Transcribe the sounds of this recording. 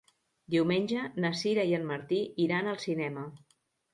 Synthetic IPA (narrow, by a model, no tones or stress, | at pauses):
d̪iwmenʲʒənəsiɾəiənməɾt̪iiɾanəlˠsinɛmə